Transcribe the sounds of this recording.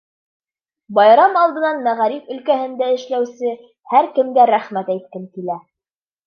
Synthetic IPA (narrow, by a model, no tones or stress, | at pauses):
bɑjɾɑmɑlˠd̪ɤ̆nɑnmæʁæɾifɵ̆lkæhɘ̆nd̪æɘ̆ʃlæwsɘ | hæɾkɘ̆mɡæɾæχmæt̪æjt̪̚kɘnkilæ